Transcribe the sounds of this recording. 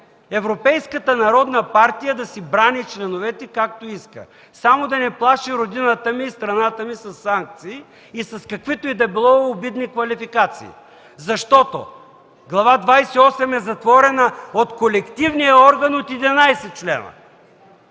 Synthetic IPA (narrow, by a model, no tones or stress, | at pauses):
ɛvɾopɛjskət̪ənɐɾɔd̪nəpaɾt̪ijəd̪ɐsibɾanit͡ʃlɛnovɛt̪ɛkak̚t̪oiskə̰ | samod̪ɐnɛplˠaʃiɾod̪inət̪əmiːst̪ɾɐnat̪əmisɐsːaŋk̚t̪siː | sɐskɐkvit̪oid̪ɐbilˠɔːbid̪nikvɐlifikat̪sḭː | zɐʃt̪ɔt̪o̰ | ɡlˠɐvad̪vajsiɔsɛmɛzɐt̪vɔɾɛnɐot̪kolɛkt̪ivnijɐɔɾɡənot̪id̪inajsɛt̪̚t͡ʃlɛ̰nɐ̰